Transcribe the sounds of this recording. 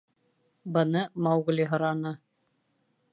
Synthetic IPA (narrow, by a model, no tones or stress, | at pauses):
bɤ̆nɤmɑwɣ̆lʲiɦɤ̆ɾɑnɤ